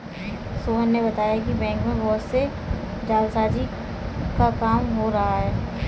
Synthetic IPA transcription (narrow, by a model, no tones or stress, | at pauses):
soːənːebɐt̪aːjakibɛ̃ːŋkmẽʋoːse | d͡ʒaːlsaːd͡ʒi | kakaːmɦoɾɐɦaɦɛː